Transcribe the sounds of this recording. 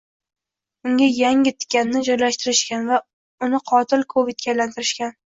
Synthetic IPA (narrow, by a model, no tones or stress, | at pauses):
ʊŋɡʲajaŋɪt̪ʰɪ̥kʲːannːɪd͡ʒɒjlaʃt̪ɪɾɪʃkʲanva | ʊnɪqʰɒt̪ʰɪlˠkʰovɪd̪̚kʲʰajlant̪ʰɪɾɪʃkʲan